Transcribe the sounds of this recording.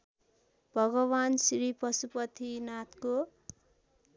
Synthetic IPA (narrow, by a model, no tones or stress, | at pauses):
b̥ʱʌɡʌbansɾipʌsupʌt̪ʰinat̪ko